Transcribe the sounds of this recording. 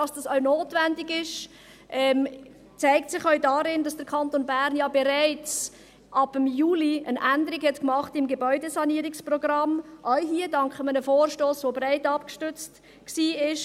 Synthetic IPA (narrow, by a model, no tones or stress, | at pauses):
ɑsd̥ɑsœʊnoːtvændɪɡɪʃ | ʔɛm | t͡sæɪktsɪχœʊdɑɾɪndɑsd̥əɾkʰɑnt̪onbæɾnjɑːbeɾæɪt͡s | ʔɑb̥əmjuːliənʔændəɾɪkhɛtkmɑχtɪmɡebœʏdesɑniːəɾɪksprɔɡrɑmʔaʊɦiːədɑŋkχəmənəfoːrʃtoːsvobɾæɪtɑpkʃtʏt͡st | ksiːɪʃ